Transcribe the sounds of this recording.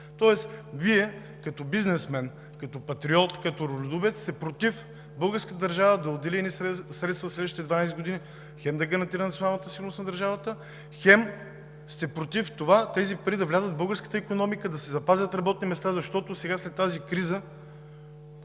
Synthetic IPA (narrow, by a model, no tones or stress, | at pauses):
t̪ɔɛsviɛ | kɐt̪ɔbiznɛsmɛn | kɐt̪ɔpɐt̪ɾiɔt̪kɐt̪oɾolʲɛd̪ubɛt̪st̪ɛpɾot̪if | bɤlˠɡəɾskət̪əd̪əɾʒavəd̪ɐod̪ɛliɛnissɾɛt̪st̪vəslɛd̪vəʃt̪it̪ɛd̪vanajsɛd̪ɡod̪ini | xɛmd̪ɐɡɐɾɐnt̪iɾənɐt̪sʲonalˠnət̪əsiɡʊlɾnosnɐd̪ɐɾʒavət̪ə | xɛm | st̪ɛpɾot̪ift̪ovat̪ɛzipɐɾid̪ɐvlʲazəd̪̚bɤlˠɡəɾskə̥t̪əikonɔmikəd̪ɐsɛzɐpazʲət̪ɾɐbɔt̪̚nimɛst̪azɐʃt̪ɔt̪osɛɡaslɛt̪ːazikɾizə